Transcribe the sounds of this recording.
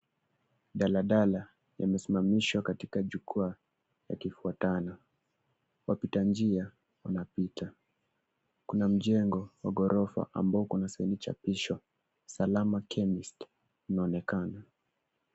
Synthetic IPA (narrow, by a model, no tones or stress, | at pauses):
ɗalaɗala | ja̰mɛsimamiʃwakatikaʄukua | ja̰kifuatana | wapitand͡ʒia | wanapitʰa | kunam̩ʄɛŋɡɔwaɡɔɾʔɔfa̰ʔa̰mbaɔkunasainit͡ʃa̰piʃɔ | salamakʰɛmist | inaɔnɛkana